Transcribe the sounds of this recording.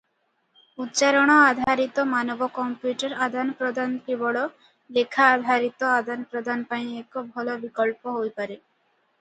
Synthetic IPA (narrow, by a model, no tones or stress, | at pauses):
ut̪ːt͡ʃaɾoɽ̃ɔad̪ʱaɾit̪omanɔbokɔmpjuʈeɾad̪ʱanpɾod̪ʱant̪ibɔɽo | lekʰːaːd̪ʱaɾit̪oad̪anpɾɔd̪ʱanpaĩɛkobʱɔlobikɔlpoɦojpaɾe